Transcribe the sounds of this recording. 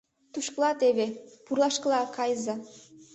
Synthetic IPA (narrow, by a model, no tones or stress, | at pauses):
t̪uʃklˠɑt̪eβepurlˠɑʃkəlˠɑkɑjzɑ